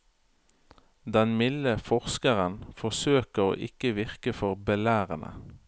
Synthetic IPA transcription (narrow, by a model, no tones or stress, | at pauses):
d̪ɛnmɪləfɔʁskəʁənfɔsøːkəʁo̰ːʔɪkəʋɪʁkəfɔʁbəlæːʁənʔə̰